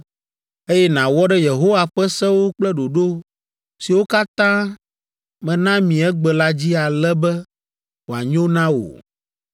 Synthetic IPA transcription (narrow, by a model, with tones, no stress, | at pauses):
e˦jɛ˦nã˨wɔ˦ɖɛ˦je˨ɦo˦wa˨ɸɛ˦sɛ̃˦wo˦k͡plɛ˦ɖo˨ɖo˦ | si˨wo˦ka˦t̪ã˦ | mɛ̃˨nã˦mĩ˨ɛ˦ɡ͡bɛ˨la˦d͡ʑi˦a˨lɛ˦bɛ˦ | wo˨a˨ɲõ˦nã˦wo̰˨